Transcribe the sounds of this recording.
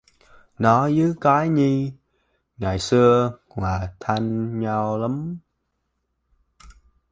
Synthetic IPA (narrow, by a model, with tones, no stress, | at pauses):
nɔ˨˦zɨ˨˦kaː˨˦jɲi˧ | ŋaː˨˩jsɨ˧ə | hwaː˨˩t̪ʰa˧ŋɲa˧wla˨˦m